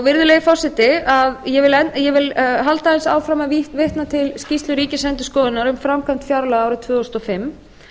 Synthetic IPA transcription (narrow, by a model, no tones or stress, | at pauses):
awvɪɾðʏlɛːjɣɪfɔr̥sɪt̪ɪaðjɛvɪlɛjɛvɪlɦalt̪aɛnsa̰ːwfɾaːmaviht̪vɪht̪nat̪ʰɪlscist̪lʏɾiːcɪsɛnt̪ʏskɔːðɪnaɾʏmfɾamkʰamn̥t̪fjaɾlaaːwɾɪt̪ʰvœːɔst̪ɔfɪmː